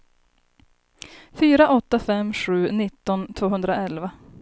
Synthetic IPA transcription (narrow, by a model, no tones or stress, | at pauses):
fyːɾaʔɔt̪ːafɛmːɧʉ̟ːnɪt̪ːɔnt̪ʰvoːɦɵnd̪ɾaɛlva